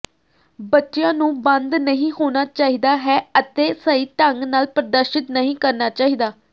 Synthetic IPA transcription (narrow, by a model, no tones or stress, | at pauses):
bətːʃjãːnũːbənd̪nəɦĩːɦoːnaːt͡ʃaːɦiːd̪aːɦɛːət̪eːsəːiːʈəŋɡnaːlpɾəd̪əɾʃɪt̪nəɦĩːkəɾnaːt͡ʃaːɦiːd̪aː